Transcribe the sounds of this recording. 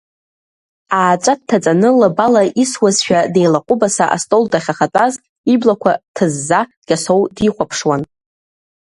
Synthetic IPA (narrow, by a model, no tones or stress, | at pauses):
aːt͡ʃʷʼat̚tʰːat͡sʼanɨlabalaʔiswazʃᶣade̞jlaqʷʼʊbasaʔa̰stʼoldaχʲaχatʼaz | iblakʷʰatʰɨzːa | ɡʲʼaso̞wdiχʷapʰʂwan